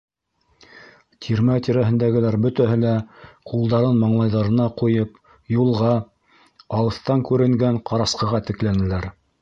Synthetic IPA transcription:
t̪ʲʰiɾmæt̪ʲiɾæɦɘ̆nd̪æɡɘ̆læɾbɵ̆t̪æɦɘlæqulˠd̪ɑɾɤnmɑɴlˠɑjðɑɾɤ̆nɑqujɤp | julˠʁɑ | ɑw̪ˠɤ̆θt̪ɑŋkʉɾɘ̆ŋɡæɴqɑɾɑsqɤ̆ʁɑt̪ɘ̆klænɘ̆læɾ

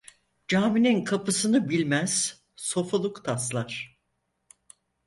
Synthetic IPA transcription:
d͡ʒaːmininkʰapʰɯsɯnɯbilʲmæz̥ | so̞folˠukt̪ʰaslˠaɾ̥

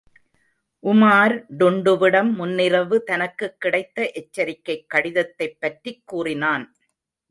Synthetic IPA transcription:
ʔʊmaːɾɖʊɳɖɯʋɪɽɐmːʊnːɪɾɐʋɯt̪ɐnɐkːɯkːɪɽɐɪt̪ːɐʔɛt͡ʃːɐɾɪkːɐɪkːɐɽɪðɐt̪ːɐɪpːɐʈrikːuːrɪnaːn

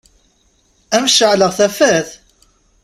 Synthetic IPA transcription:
æmʃəʕləʁθæfæθ

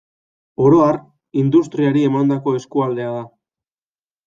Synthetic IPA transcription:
o̞ɾo̞ar | ind̪ust̪ɾiaɾie̞mand̪ako̞e̞skuald̪e̞aða

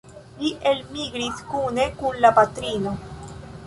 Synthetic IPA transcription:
liʔelmiɡɾiskunekunlapat̪ɾino

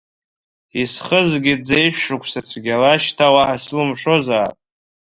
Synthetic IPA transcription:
isχəzɡʲɪd͡zejʃʷᶣʂukʷʰsat͡sʷʰɡʲalaʃtʰawaʔaslɨmʂo̞zaːtʼ

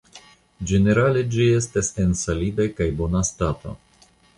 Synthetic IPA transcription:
d͡ʒe̞ne̞ɾale̞d͡ʒie̞stasensalidakajbo̞nastato̰

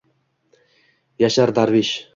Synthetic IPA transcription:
jaʃaɾd̪aɾviʃ

